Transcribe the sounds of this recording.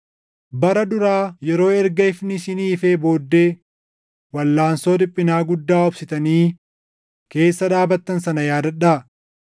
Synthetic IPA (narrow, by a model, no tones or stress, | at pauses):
bɐɾɐd̪ʊɾaːjɛɾo̞ːɛɾɡɐɪfnɪsɪniːfeːbo̞ːd̪ːe̞ː | wɐlːaːnso̞ːd̪ɪpʼːɪnaːɡʊd̪ːaːʊbsɪt̪ɐniː | ke̞ːsːɐᶑaːbɐt̪ːɐnsɐnɐjaːd̪ɐᶑaː